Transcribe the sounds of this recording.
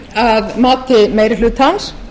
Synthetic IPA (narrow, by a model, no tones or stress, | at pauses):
aðmaːt̪ɪmeːjɾɪlʏt̪hans